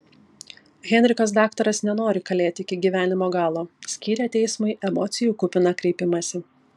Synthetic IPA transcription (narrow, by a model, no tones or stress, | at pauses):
ɣʲɛnʲɾʲɪkɐs̬d̪ɑːkt̪ɐɾɐsnʲɛnoːɾʲɪkɐlʲeːt̪ʲɪɪkʲɪɡʲiːʋʲæːnʲɪmoːɡɑːlˠoːsʲkʲiːɾʲɛt̪ʲɛɪsmɐɪʔɛmɔːt̪sʲɪjuːkʊpʲɪnɐkɾʲɛɪpʲɪmɐsʲɪ